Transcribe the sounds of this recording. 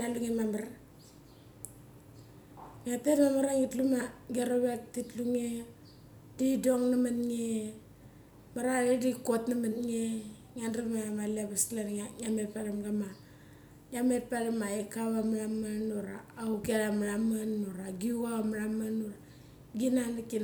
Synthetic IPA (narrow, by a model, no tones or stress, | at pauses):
daluŋemamaɾa | ŋatetmamaɾaŋitlumaɡeɾoβek̚titluŋe | didoŋnamanŋe | maɾaɾedikotnamanŋe | ŋanramaamalabaslanŋamepaɾamɡama | ŋamepaɾamaekaβamaɾamanuɾaːukeɾamaɾamanuɾaɡiuwaamaɾamanuɾa | ɡinanakin